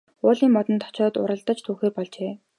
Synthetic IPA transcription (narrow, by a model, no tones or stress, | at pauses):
ʊːɮiːmɔt̪ə̆nt̪ʰːɔ̥t͡ɕɔːt̪ʊ̰ɾə̆ɮt̪ə̆t͡ɕt̪ʰuːxeːrpɔɮt͡ɕeː